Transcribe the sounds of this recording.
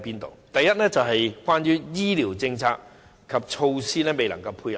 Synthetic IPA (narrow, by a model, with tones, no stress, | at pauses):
piː˥nt̪o̰˨wt̪ɐ˨jːɐ˥t̚lɛː˥t͡sɐ˨wɦɐ˨jkwaː˥njyː˥jiː˥liː˨˩wt͡sɪ˧ŋt͡sʰaː˧k̚ | kʰɐ˨p̚t͡ʃʰo˧wsiː˥lɛː˥me˨jlɐ˨˩ŋkɐ˧wpʰuː˧jɐ˨